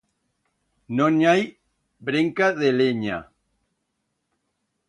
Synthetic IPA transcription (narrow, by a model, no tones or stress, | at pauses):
nõnaj | bɾeŋkaðeleɲa̰